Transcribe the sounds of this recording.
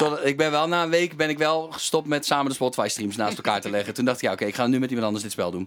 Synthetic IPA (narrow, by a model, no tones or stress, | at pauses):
toɪɡ̚bɪnʋɛlˠnaːənʋejkbɪnɪkʋɛlˠχəstɔp̚mɛtsaːməndəspɔtʰʋajstrimsnaːstəlˠkaːɹtəlɛɣətundɑxtɪkjaokeɪkχaːnymɛtimɑntɑndəsdɪtspɛlˠdun